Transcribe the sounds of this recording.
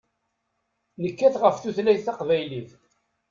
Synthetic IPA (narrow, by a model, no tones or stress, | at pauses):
nəkːæθʁəfθuθlæjθɑqvæjliθ